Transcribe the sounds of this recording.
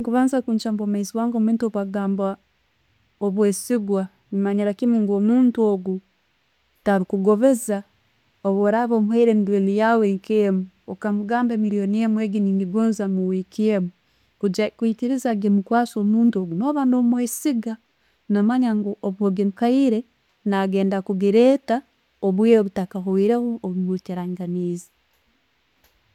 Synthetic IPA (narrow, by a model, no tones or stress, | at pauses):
ŋkuβaːnzakuɲt͡ʃambomaiziwaːŋɡomiːntoβaɡaːmba | oβwesiɡwa | mimaɲiɾakimuŋɡoːmuːntuoɡu | taɾikuɡo̞βeza | oβoɾaβoːmuheiɾemidwelijaweŋkemu | okamuɡaːmbemiɾijoniemueɡiniːŋɡiɡonzamuwikiemu | ud͡ʒakuitiɾizaɡemukwaːsoːmuːntoɡunoβaːndomwesiɡa | namaɲaŋɡoʔoβuoɡemukaiɾe | naɡeːndakuɡiɾeːta | oβwioβutakaɦoiɾehooβuβuteɾaŋɡaniːzi̥